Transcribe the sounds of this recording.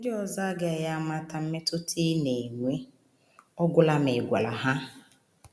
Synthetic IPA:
n̩˦dɪ˦ɔ˨za˦ɡɪ˦a˨ja˦ma˦ta˨m̩˦me˦tʊ˦tʰi˦ne˨ŋʷe˦ | ɔ˦ɡʷʊ˦la˦me˨ɡʷa˨la˨ɦa˦

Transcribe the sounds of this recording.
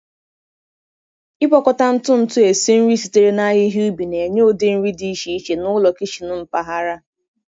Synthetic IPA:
ɪ˦pɔ˦kɔ˦ta˦n̩˦tʊ˦n̩˦tʊ˦e˨si˦n̩˦ɾi˦si˨te˦ɾe˦na˦ɲɪ˦ɦi˦u˦bi˨ne˨ɲe˦o˨de˦n̩˦ɾi˦di˦i˦ʃi˨˦i˦ʃe˨nʊ˦lɔ˨ki˦ʃi˨nʊ˦m̩˨pa˦ɦa˦ɾa˦

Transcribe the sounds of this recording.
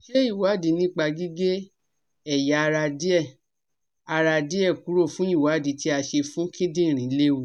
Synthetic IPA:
ʃe˦i˦˨wa˨˦di˨˦nĩ˦k͡pa˧ɡi˦ɡe˦ | ɛ˦˨ja˨˦˧ɾa˧di˦ɛ˦˨ | a˧ɾa˧di˦ɛ˦˨ku˨˦ɾo˦˨fũ˨˦i˦˨wa˨˦di˨˦ti˦a˧ʃe˧fũ˦kʰĩ˦dĩ˦˨ɾ̃ĩ˨˦le˦wu˨

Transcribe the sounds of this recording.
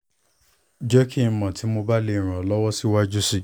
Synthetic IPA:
d͡ʒɛ˦kʰi˦˨mã˨tʰi˨˦mo˧ba˦le˧˦i˨ɾ̃ã˨ɔ˨lɔ˦wɔ˦si˦wa˦d͡ʒu˦si˦˨

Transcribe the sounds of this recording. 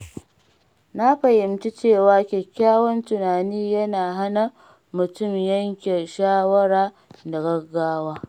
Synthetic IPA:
na˦ɸɐ˨jɪ˨mt͡ʃi˦t͡ʃeː˦˨waː˦kʲe˨kʲːaː˦wɔ˦ntʊ˨naː˨niː˦jɐ˦naː˨ɦa˦na˨ | mʊ˨tʊ˦˨mjɐ˦ŋkʲe˨ʃaː˦wɐ˦ɾaː˦ | da˨ɡɐ˦ɡːaː˦waː˦

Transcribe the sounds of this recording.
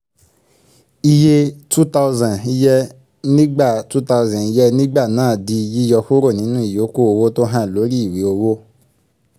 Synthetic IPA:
i˧je˦tu˦ta˧ʊ˧zã˨i˦jɛ˦ | nĩ˦ɡ͡ba˦˨tu˦ta˧u˧zã˨ni˦jɛ˦nĩ˦ɡ͡ba˦˨nãː˨˦˨di˧ji˦jɔ˧fo˦ɾo˦˨nĩ˨˦nũ˦i˨jo˨˦ko˦o˧wo˦to˦ɦã˦˨lo˨˦ɾi˦i˦˨wi˨˦o˧wo˦

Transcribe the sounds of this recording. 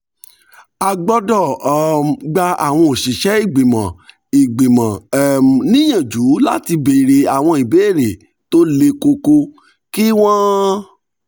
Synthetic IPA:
a˧ɡ͡bɔ˦dɔ˦˨ | ɡ͡ba˧a˨w̃ɔ̃˧o˨ʃi˨ʃɛ˨˦i˦˨ɡ͡be˨mã˨ | i˨ɡ͡be˨mã˨nĩ˦j̃ã˨d͡ʒu˨˦la˦ti˧be˨ɾe˨a˨w̃ɔ̃˧i˨be˨˦e˦˨ɾe˨ | to˦le˧ko˧ko˧ | ki˦w̃ɔ̃˦

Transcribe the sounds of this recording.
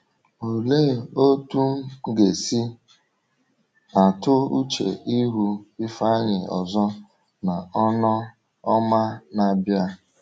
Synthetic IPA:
o˨leː˦˨o˦tu˦ɡe˨si˦ | a˨tʊ˦u˦t͡ʃḛ˨ʔi˦ɦu˦ɪ˦fa˦ɲɪ˨ɔ̰˨zɔ˦ | na˨ɔ˦nɔ˦ | ɔ˦ma˦na˨bja˦

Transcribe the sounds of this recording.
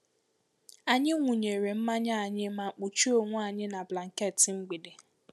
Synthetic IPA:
a˨ɲɪ˦ŋʷu˨ɲe˨ɾe˨m̩˦ma˦ɲa˦a˨ɲɪ˦ma˦k͡pu˨t͡ʃu˦o˦ŋʷu˦a˨ɲɪ˦na˨bla˨ŋ̩˨ke˦˨tɪ˨ŋ͡m̩˦ɡ͡bi˨de˨

